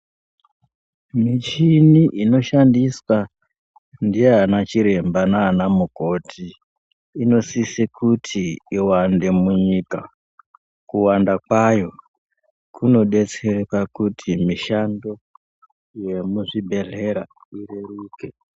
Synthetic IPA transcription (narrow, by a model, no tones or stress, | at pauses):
mit͡ʃiniʔino̞ʃandiswa | ndijeːnat͡ʃiɾe̞mbanaːnamuko̞tʰiː | no̞sisikʰutʰiiwande̞muɲiːka | kuwandakwajo̞ | kuno̞ɗe̞t͡se̞ɾepakutʰimiʃando̞ | je̞muʐibʱe̞ɮe̞ɾaireɾiːke